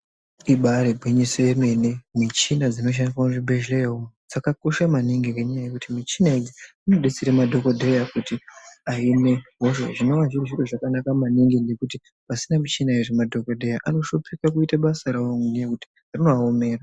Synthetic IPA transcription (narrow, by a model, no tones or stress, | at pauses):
iɓaɾebʱwiɲiseeme̞nemit͡ʃinad͡zino̞ʃ̬andiswanuʐibʱeʒlejeumud͡zakako̞ʃamaniŋɡikeɲajaje̞kutimit͡ʃinaed͡zi | ino̞ɗet͡siɾemadʱo̞kodʱe̞jakutiaine̞ɦoʃo̰ʐino̞ʋaʐiruʐiroʐakanakamaniŋɡinde̞kuti | pasinamit͡ʃinaiʐemadʱo̞kodʱe̞jaʔano̞ʃo̞pikak̬uitaɓasaɾaoŋundejekuti̥ | arino̞aome̞ːra